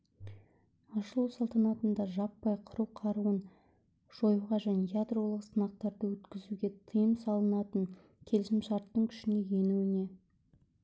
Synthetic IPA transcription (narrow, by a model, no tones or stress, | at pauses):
ɑʃəlˠuwsɑlˠt̪ɑnɑt̪ənd̪ɑʒɑpːɑjqʰəɾuwqʰɑɾuən | ʒ̥o̞juʁɑʒænejad̪ro̞lˠəqsənɑq̚t̪ɑɾd̪əwɵt̪kʲɪzuɡʲe̞t̪ʰəjəmsɑlˠənɑt̪əɴ | kʲʰe̞lɪʃɪmʃɑɾt̪ːəɴkʲʰʏ̥ʃɪne̞je̞nuwɪne̞